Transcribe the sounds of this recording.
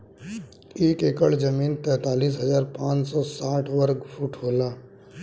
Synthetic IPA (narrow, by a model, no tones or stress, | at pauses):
eːkeːkəɭd͡ʒəmiːnt̪ɛ̃ːt̪aːliːsɦɐzaːɾpãːt͡ʃsɔsaːʈʰʋəɾɡfʰuːʈɦoːlaː